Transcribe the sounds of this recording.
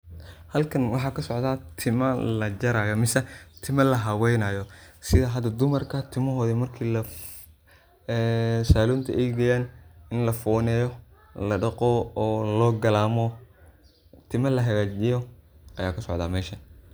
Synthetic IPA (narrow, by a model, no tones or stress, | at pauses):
hɐlkʰɐnwɑħɑːkʰɐsɔʕd̪aːt̪ʰɪmɐlɐt͡ʃɐɾaːjɐmɪsɛt̪ʰɪmɐlɐɦɐwɛjnɐjɔsɪðɐɦɐd̪ɐd̪ʊmɐrkʰɐt̪ʰɪmɐɦɔːðɐmɐrkʰiːlɐ | saːluːnt̪ʰɐʔɛjɡɐjaːnɪnlɐfɔːnɛːjɔ | lɐɖɐqɔːlɔːɡɐlaːmɔ | t̪ʰɪmɐlɐɦɐɣaːt͡ʃɪjɔʔɐjaːkʰɐsɔ̰ʕd̪aːmɛːʃɐ